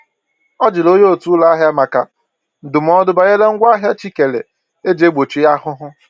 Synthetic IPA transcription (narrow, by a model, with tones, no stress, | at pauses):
ɔ˦d͡ʒɪ˨lo˦ɲe˦o˨tu˦la˦a˦ɦja˦ma˨ka˨ | n̩˨dʊ˨m˦ɔ˦dʊ˦ba˨ɣe˦le˦ŋ̩˦ɡʷa˦ɦja˦t͡ʃi˦ke˨lḛ˨ | e˦d͡ʒe˦ɡ͡bo˨t͡ʃi˨ja˦hʊ˦ɦʊ˦